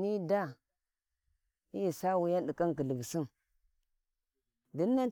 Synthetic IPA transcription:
ni˦da˦ | i˦ji˨sa˦wu˨˦ja˦nɗi˨ka˦ŋkə˨lə˨bsi˦m | di˦nːa˦n

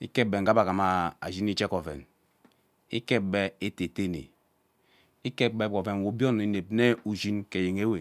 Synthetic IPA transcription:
i˦ke˦be˨ŋ̩˨ɡa˦ba˨ka˨ma˨a̰˨ʒi˦n˦i˦t͡ʃe˦ko˨vḛ˨n | i˦ke˦be˦e˦te˨te˦nḛ˨ | i˦ke˦be˦bko˨ve˨n˨wo˨˦bjo˦ni˨ne˨b̚ne˦u˨zi˦nke˨je˨ŋe˦we˨

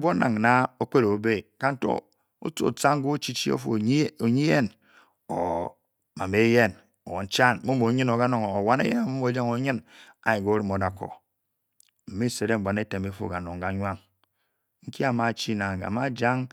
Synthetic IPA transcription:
bo˦na̰˨ŋ˨na˦o˦k͡pe˦ɾo˨˦be˦ka˨n̩˦to̰˦ | o̰˦t͡so̰˨t͡sa˦ŋ˦ɡo˦t͡ʃi˦t͡ʃi˦o̰˦fo̰˨˦o˨ɲi˦je˦n | o̰˨ | ma˨me˦je˦n | o˨wo˨n̩˦t͡ʃa˦n˦mo˦mo˨˦ɲi˦no˨ɡa˦no˨ŋ˨o˨wa˦nḛ˦jḛ˦na˨mo˦mo˨˦d͡ʒa˦ŋo˨˦ɲɨ˦na̰˨i˨ɡo˨˦ɾi˦mo˨da˨ko̰˨ | m̩˨me˦˨se˨ɾe˦m̩˨bʷa˨ne˦te˨me˦fo̰˦˨ɡa˨no˨ŋ˨ɡa˨ɲʷ˦a˦ŋ | ŋ̩˦ki˦a˨ma˨t͡ʃi˦na˨ŋ˨a̰˨ma˦d͡ʒa˦ŋ

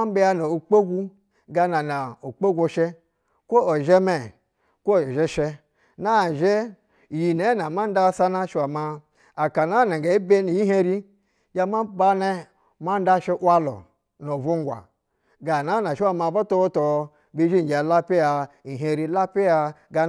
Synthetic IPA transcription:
a˦be˦ja˦˧no˨o˨k͡pe˦ɡʷu˦ | ɡa˧na˨na˨o˨k͡pe˦ɡʷo˧ʃe˦ | kʷo˦o˨ʒe˦me˨ | ko˦˨ʒe˦ʃe˧ | na˦˨ʒe˦˨ | ji˨ne˨˦na˨ma˦n˦da˦sa˦na˦ʃa˨ma˧ | a˨ka˨na˦na˨ɡa˨i˦be˦ni˨ji˦ɦe˦ɾi˦ | ja˧ma˦ba˦ne˦ | ma˦n˦da˦ʃe˦ʔwa˦lo̰˨ | no˨vu˦ŋ˦ɡʷa̰˨ | ɡa˨na˨˦na˨ʃi˦wa˦ma˨bo˦to˦wo˦to˨ | bi˦d͡ʒi˦˨d͡ʒa˨la˦pi˦ja˧i˨ɦe˦ɾi˦la˦pi˦ja˧ɡa˧

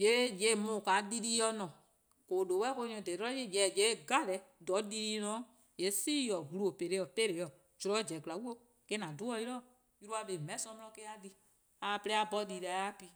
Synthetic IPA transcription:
je˨˦je˧˨mũ˨kaː˨˦di˧ɾiː˦jɔ˧nɔ̃˨ | ko˨do˨˦wɛ˦ko˧˦ɲɔ̃˧˨de˨tɔ˦je˦˨d͡ʒɛ˨d͡ʒe˨˦˨ɡa˦˨lɛ˨˦dɔ˨˦di˧ɾiː˧˦nɔ̃ː˨˦ | je˨˦siː˦jɔ˨ɡu˨lu˦o˨pe˨ɾe˧˦ɔ˨pe˦ɾe˨jɔ˨ | d͡ʒu˨ɾɔ˨˦d͡ʒɛ˨ɡla˨˦wu˦o˧˦ | kɛ˦nã˨du˨˦ɔ˦jɾɔ˦ | ju˧ɾu˦a˧be˧˨mɛ̃˨˦sɔ̃˧˦mlɔ̃˧˦ke˦a˧di˧ | a˨plɛ˦a˧bɔ˧di˧˨ɾa˨˦a˦pi˧˦

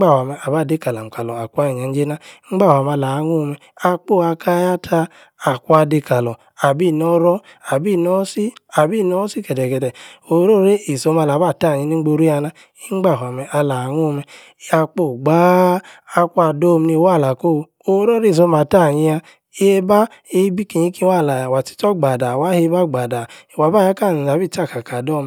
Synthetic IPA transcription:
ɡ͡ba˦˨ha˨mɛ˨a˨ba˦˨de˦ka˨la˨m̩˨ka˨lɔ˨a˨kʷa˦i˨ɲ˨a˨˧n̩˦d͡ʒe˦na˦ŋ͡m̩˦ɡ͡ba˦˨hʷwa˨ma˧la˨˦ŋo˦˧mɛ˨a˧k͡po˦˨a˧kʰa˦ja˦tʰa˧ | a˨ku˦a˧de˧ka˨lɔ˨ | a˨bi˦˨nɔ˦ɾɔ˦ | a˨bi˦˨nɔ˦si˦a˨bi˦˨nɔ˦si˦kɛ˨dɛ˨kɛ˨dɛ˨o˨˦ɾo˦˨ɾe˦i˨so˧˦ma˧la˨˦ba˦˨ta˦˨ɲi˧ni˦ɡ͡bo˧ɾi˦a˧na˦ | i˦ŋ͡mɡ͡ba˦˨ɦa˨mɛ˨ʔa˧la˨ŋo˦˨˧mɛ˧˦ | a˧k͡po˦˨ɡ͡baː˦˧ | kʷu˦a˧do˦˨˧m˧ni˧˦wa˦˨la˨ko˦˨˧ | o˧˦ɾo˦ɾe˦˨s̬o˧˦ma˨ta˦˨ɲi˧a˧˦ | e˦ba˦e˦bi˦ki˨ɲi˦ki˦˧˦wa˦˨la˨ja˨wa˨ti̥˦tɔ˦ɡ͡ba˨da˨wa˦he˧˦ba˦ɡ͡ba˨da˨i˨wa˨˦ba˦˨ja˦ka˦˨n˨a˨bi˦˨t͡ʃa˦˨ka˨ka˨dɔ˦˨m

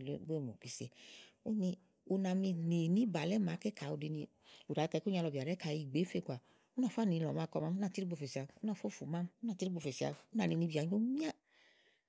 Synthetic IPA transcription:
lɡ͡be˦˨mo˨ki˧se˧u˦ni˧ | u˧na˧mi˧ni˨nĩ˦ba˨lɛ˦mã˨˦ke˦kʰa˨u˧di˧nĩ˧ | lu˨a˨˧kɛ˧kɲ˦a˧lɔ˧bi˨a˨ɾɛ˦ka˧˨ji˧˨ɡ͡be˨˦fe˧˦˨kʷa˨ | u˦nã˨˧˨fo˦a˦˨ni˨˧lɔ˨ma˧kɔ˧ma˦u˦ã˧˨ti˦ɾi˦ɡ͡bo˧fe˨si˨a˧u˦nã˨˧˨fo˦˨fu˨mã˦mu˦na˧ti˦ɾi˦ɡ͡bo˧˨fe˨si˨a̰˨˧u˦nã˨ni˧nĩ˧bi˧˨a˨ɲ˦o˦mĩ˦a˦

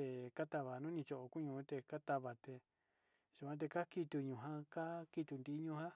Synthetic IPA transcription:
e˧ka˦t̪a˧βa˨nũ˦nĩ˧t͡ʃo˧ʔo˧ku˦ɲũ˧˦t̪e˧ka˦t̪a˧βa˨t̪e˧ | ʒ̥u˧kʷã˧t̪̬e˧ka˦ki˧t̪u˧ɲũ˨ɦã˦ka˦ki˧t̪u˧nd̪i˧˦ɲũ˧hã˦

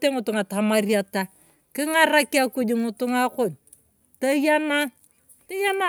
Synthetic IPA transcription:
te˦ŋu˨tu˨ŋa˨ta˨ma˨ɾi˦a˨ta˨ | ki˦ŋa˦ɾa˦ki˦a˦ku˦d͡ʒi˨ŋu˨˦tu˦ŋa˦ko˨n | ta˦ja˦na˦ | ta˦ja˦na˦

